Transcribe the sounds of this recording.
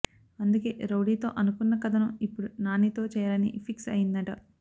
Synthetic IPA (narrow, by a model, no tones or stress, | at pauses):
ɐnd̪uke̞ːɾowɽiːt̪o̞̰ːʔɐnukunːɐkɐt̪ʰɐnɐipːuɽunaːnit̪o̞ːt͡ʃɛːjɐlɐnḭpʰiksɐ̰jind̪ɐʈɐ